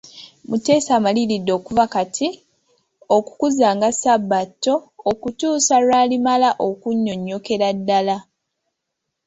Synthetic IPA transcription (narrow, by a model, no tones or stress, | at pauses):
mute̞ːsaːmalilidːo̞ːkuvakatʰi | oku̥kuzaːŋɡasabːatːo̞ːkutuːsalwaːlimalaʔokuɲːo̞ɲːo̞ke̞ɾadːala